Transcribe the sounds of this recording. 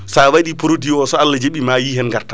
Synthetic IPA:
sawaɗipɔɾodiɔsɔalːad͡ʒeɓimajihɛnɡaɾta

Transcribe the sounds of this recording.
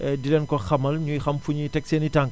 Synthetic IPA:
ɛdilɛnkɔxɐmɐlɲujxɐmfuɲitɛk̚seːnitaŋk

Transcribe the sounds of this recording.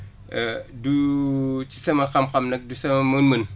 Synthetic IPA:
du | t͡ʃi̥sɐmɐkɐmqɐmnɐk̚dusɐmɐmunmɨn

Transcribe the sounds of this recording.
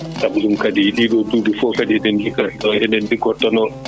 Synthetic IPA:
tabdumkadijiɗiɗɔdudufɔkadidɛndikaiɗɔhɛndɛndiɡɔtːɔnɔ

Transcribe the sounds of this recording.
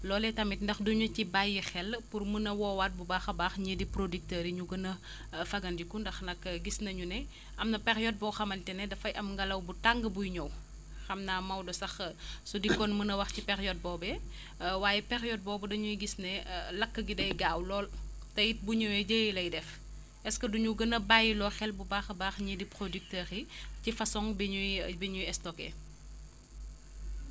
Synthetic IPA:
lɔːlɛtɐmit̚ndɐxduɲɐcibajixɛlpurmənɐwɔːwaːt̚bubaːxɐbaːxɲedipɾodik̚təːɾiɲuɡɐnɐ | fɐɡɐndikundɐxnɐkɡisnɐɲunɛ | ʔɐmnɐpɛxjɔt̚bɔwxɐmɐntɛnɛdɐfɐjʔɐmŋɡɐlɐwbutaŋɡəbujɲɔw | xɐmnaːmɐwdɔsɐxsudikːɔnmənɐwɐxcipɛxjɔt̚bɔːbɛ | waːjɛpɛɾjɔd̚bɔːbɐdɐɲujɡisnɛlɐkːəɡidɐjɡaːwlɔːl | tɐjit̚buɲɔwɛɟəjilɐjdɛf | ɛskɐduɲuɡɐnɐbajilɔːxɛlbubaːxɐbaːxɲidipɾodik̚tɛːɾicifɐsɔŋbɛɲubɛɲujɛstɔkɛ̰

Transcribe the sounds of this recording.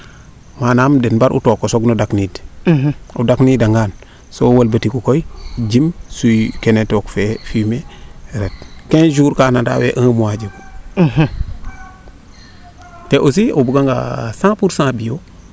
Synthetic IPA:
manamdenbaɾʔṵtokosoɡnodaknid | ṵdaknidaŋɡan | sowalbatikukoid͡ʒimsukenetokfefimeɾet̚kend͡ʒuːɾkanada̰wḛʔãmuwad͡ʒiku | teʔosiobuɡaŋɡa̰sãpuɾsãːbijo

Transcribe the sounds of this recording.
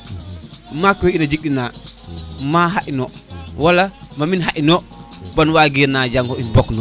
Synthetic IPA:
makɔinad͡ʒik̚ɗina | maɦaʔinɔwalamaminɦaʔinɔbanwaɡiɾnad͡ʒaŋɡɔinbɔknɔ

